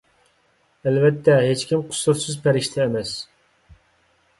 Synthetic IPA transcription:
ælvɛt̪ʰːɛɦet͡ʃkʲimqʰʊ̥sʊɾsɨzpʰæɾɪʃt̪ʰɛːmɛs

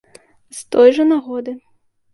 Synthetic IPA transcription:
st̪ɔjʐɐnaɣɔd̪ɨ

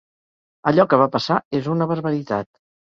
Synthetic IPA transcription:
əʎɔkəβ̞apəsaezunəβəɾβəɾit̪a̰t̪

